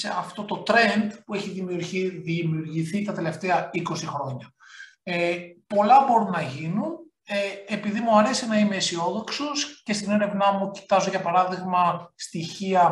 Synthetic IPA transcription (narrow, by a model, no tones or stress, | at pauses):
se̞ɐft̪o̞t̪o̞t̪ɾe̞nd̪pueçiðimiuɾçiðimiuɾʝiθit̪ɐt̪e̞le̞ft̪eɐiko̞sixɾo̞ɲɐ | epo̞lɐbo̞ɾunːɐʝinun | eepiðimuɐɾe̞sinɐime̞isio̞ðo̞ksosce̞st̪ine̞ɾe̞vnɐmuci̥t̪ɐzoʝɐpɐɾɐðiɣmɐst̪içiɐ